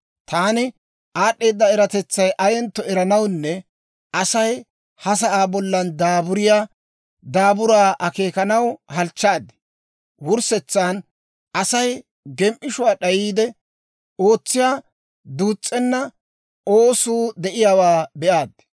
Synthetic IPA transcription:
t̪aːnɪ | ʔaːɗːe̞ːd̪ːɐɛɾɐt̪ɛt͡sːɐjʔɐjɛnt̪ːɔɛɾɐnɐwnːɛ | ʔɐsɐj | hɐs̬ɐʔaːbɔlːɐnd̪aːbʊɾɪjaː | d̪aːbʊɾaːʔɐke̞ːkɐnɐwhɐlt͡ʃːaːd̪ːɪ | wʊɾsɛt͡sːaːn | ʔɐsɐj | ɡɛmʔɪʃʊwaːɗɐjiːd̪ɛ | o̞ːt͡sːɪjaː | d̪uːt͡sʼːɛnːɐ | oːsuːd̪ɛʔɪjaːwaːbɛʔaːd̪

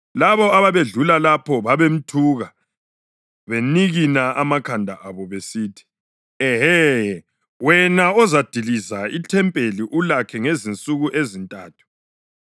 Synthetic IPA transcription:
laβɔaβaβeɮulalapʰɔβaβem̩tʰuːɣa | βeniɣinaamakʰandʱaʔaβɔβesiːtʰi̥ | ɛɦɛ | wɛnaɔzad̥ʱilizaitʰɛmpʼeliʔulakʰɛŋezint͡sʼuɣuʔezintʼaːtʰu̥

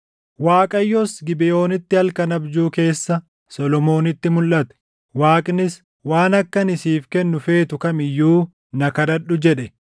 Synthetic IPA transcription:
waːkʼɐjːɔsɡɪbɪjo̞ːnɪt̪ːɪhɐlkɐnɐbd͡ʒuːke̞ːsːɐ | sɔlɔmo̞ːnɪt̪ːɪmʊlʔɐt̪ɛ̥ | waːkʼnɪs | waːnɐkːɐnɪsiːfkɛnːʊfe̞ːt̪ʊkɐmɪjːuː | nɐkɐd̪ɐᶑːʊd͡ʒɛᶑɛ

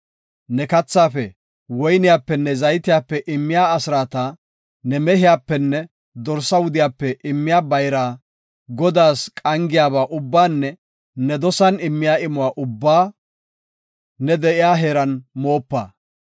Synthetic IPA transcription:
nɛkɐt͡sːaːfɛ | wɔjnɪjaːpːɛnːɛzɐjt̪ɪjaːpːɛʔɪmːɪjaːɐsɾaːt̪ɐ | nɛmɛɦɪjaːpːɛnːɛ | d̪ɔɾsːɐwʊd̪ɪjaːpːɛʔɪmːɪjaːbɐjɾaː | ɡɔd̪aːskʼɐŋɡɪjaːbaːʔʊbːaːnːɛ | nɛd̪ɔsɐnɪmːɪjaːɪmʊwaːʔʊbːaː | nɛd̪ɛʔɪjaːɦe̞ːɾɐnmo̞ːpːa̰ː

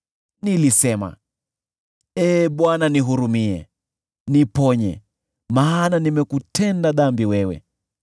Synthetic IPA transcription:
nilisɛma̰ | ɛːɓwananiɦuɾumiɛ̰ | nipɔɲɛ̰ | maːnanimɛkutʰɛndaðambiwɛwɛ̰

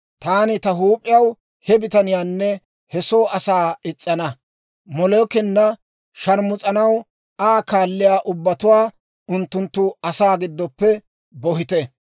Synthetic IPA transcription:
t̪aːnɪt̪ɐɦuːpʼːɪjɐw | hɛbɪt̪ɐnɪjaːnːɛ | hɛso̞ːɐsaːɪt͡sʼːɐnɐ | mɔlɔːkɪnːɐ | ʃɐɾmʊt͡sʼɐnɐw | aːkaːlːɪjaːʔʊbːɐt̪ʊwaː | ʊnt̪ːʊnt̪ːʊɐsaːɡɪd̪ːɔpːɛ | bɔhɪt̪ɛ

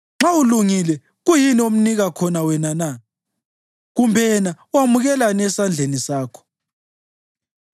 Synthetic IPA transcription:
ŋ͡ǁauluŋilɛ | ɣujiniom̩niɣakʰɔnawɛnana | ɣumbʱɛna | wamuɣɛlanɛsand͡ɮʱenisaːkʰɔ̥

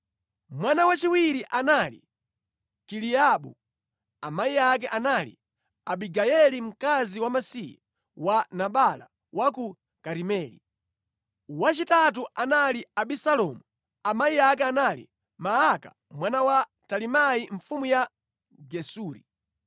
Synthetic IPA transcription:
mwanawat͡ʃiwiɾiʔanalḭ | kiliaɓu | amaiak̬ɛʔanalḭ | aɓiɡajɛlim̩kaziwamasija | wanaɓala̰ | waku | kaɾimɛːlḭ | wat͡ʃitat̬uʔanaliaɓisalɔmu | amaiak̬ɛanalḭ | maaka̰ | mwanawa | talimajiɱfumuja | ɡɛsuːɾḭ

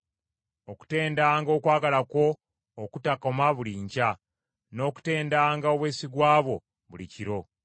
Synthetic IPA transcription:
oku̥te̞ːndaːŋɡo̞ːkwaːɡalako̞ː | kutako̞maβuliːɲca | no̞ːku̥te̞ːndaːŋɡao̞βwe̞ːsiɡwaːβo̞̰ | βuliciɾo̞

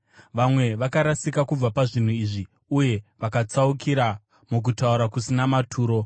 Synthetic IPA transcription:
ʋamwe̞ʋakaɾasikakub͡vapaʐin̤uiːʐi | uje̞ʋakat͡saukʰiɾa | muk̬utauɾakusinamatʰuːɾo̞

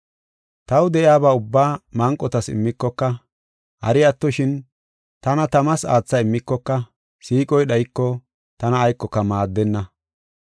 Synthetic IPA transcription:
t̪ɐwd̪ɛʔɪaːbaːʊbːaːmɐŋkʼːɔt̪ɐsɪ̰mːɪkːɔkːɐ | hɐ̰ɾɪjɐt̪ːɔʃɪn | t̪ɐnɐt̪ɐmɐsa̰ːt͡sːɐɪmːɪkːɔkːɐ | siːkʼɔjɗɐjkːɔ | t̪ɐnɐːjkːɔkːɐmaːd̪ːɛnːɐ

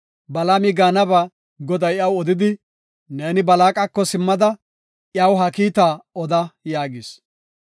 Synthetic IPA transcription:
bɐlamɪɡaːnɐbɐ | ɡɔd̪ɐjjɐwɔd̪ɪd̪ɪ | ne̞ːnɪbɐlaːkʼɐkːɔsɪmːɐd̪ɐ | jɐwɦɐkiːt̪aːɔd̪ɐjaːɡɪs

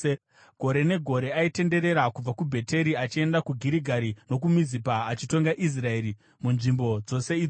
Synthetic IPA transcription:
ɡ̥ʱo̞ɾe̞ne̞ɡʱo̞ɾe̞aite̞nde̞ɾe̞ɾakub͡vakubʱe̞te̞ɾiat͡ʃie̞ndakuɡʱiɾiɡʱaɾino̞k̬umizipaːt͡ʃito̞ŋɡaʔis̬rae̞ɾi | munʐimbo̞d͡zo̞se̞id͡zo

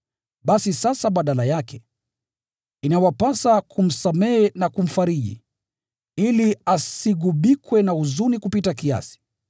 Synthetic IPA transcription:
ɓasisasaɓaɗalajakɛ | inawapasakʰum̩samɛɛnakum̩faɾiʄḭ | iliasiɠuɓikwɛnauzunikupitakia̰si̥

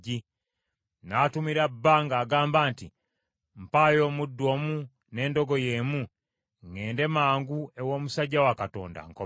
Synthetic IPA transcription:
i | naːtumiɾabaŋɡaːɡaːmbantḭ | m̩pajɔmudɔmu | nɛndɔɡɔjɛmu | ŋɛndɛmaŋɡuɛwɔmusaɟawakatɔ̰nda̰ŋ̩kɔ

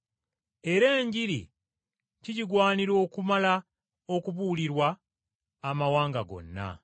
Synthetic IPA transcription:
e̞ɾe̞ːɲɟiɾḭ | ciciɡwaːniɾo̞ːkumala | o̞kuβuliɾwaː | mawaːŋɡaɡo̞̰nːa̰

